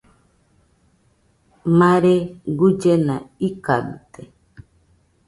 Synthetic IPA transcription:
maɾeɡud͡ʒenaikabit̪e

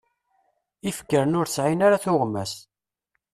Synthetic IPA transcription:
ifkːəɾənʊɾsʕinaɾaθʊʁmæs

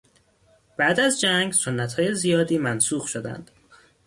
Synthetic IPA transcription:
b̥æʔd̪æzd͡ʒæŋɡso̞nːæt̪hɒːje̞zijɒːd̪iːmænsuːɣʃod̪æ̰nd̪̥

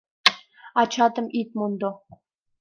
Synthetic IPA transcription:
at͡ʃʰat̪əmʔit̪̚mund̪o

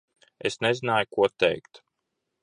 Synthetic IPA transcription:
esnɛzinaːjukuɔt̪ɛ̰jkt̪

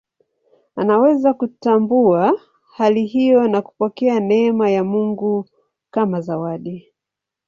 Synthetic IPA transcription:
anawɛzakutambua | haliɦijɔnaku̥pɔkɛanɛːmajamuŋɡu | kamazawaɗi

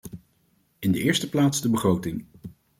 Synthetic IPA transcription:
ɪndəɪːɹstəplaːtzdəbəχrowtɪŋ

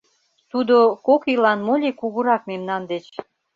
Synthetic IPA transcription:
t̪ud̪okokilɑnmolʲekuɣuɾɑkmemnɑnd̪et͡ɕ

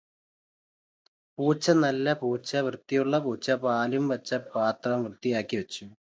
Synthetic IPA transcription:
puːt͡ɕːɐnɐlːɐpuːt͡ɕːɐʋrɨt̪ːijuɭːɐpuːt͡ɕːɐpaːlijumʋɐt͡ɕːɐpaːt̪rɐmʋrɨt̪ːijaːkːiʋɐt͡ɕːu

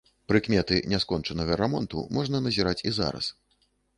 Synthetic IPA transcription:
pɾɨkmʲɛt̪ɨnʲɛskɔnt͡ʂɐnɐɣɐɾamɔnt̪ṵmɔʐnɐnɐzʲiɾat͡sʲiza̰ɾɐ̰s

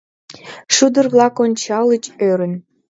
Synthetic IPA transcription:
ʃud̪ərβlɑkonʲt͡ɕɑlə̆t͡ɕøɾə̆n

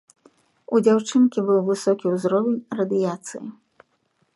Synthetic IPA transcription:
ud͡zʲawt͡ʂɨnkʲibɨwvɨsɔkʲiuzɾɔvʲenʲrɐd̪ɨjat̪sɨ̰ji

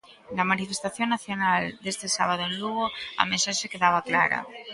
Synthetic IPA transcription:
nɐmanifest̪aθjoŋnaθjonald̪est̪ɪsaβ̞aðʊẽnluɣoɐ̰mẽnsaʃekeðaβaklaɾɐ̰

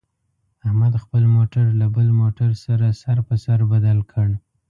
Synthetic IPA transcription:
ahmad̪xpəlmoʈaɾlabəlmoʈaɾsaɾasaɾpəsaɾbad̪alkʰəɽ

